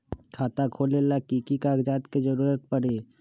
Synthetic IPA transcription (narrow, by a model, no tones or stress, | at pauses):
kʰaːt̪akʰoːlelakiːkikaːɡd͡ʒaːt̪ked͡ʒəɾuːɾət̪̚pəɽeː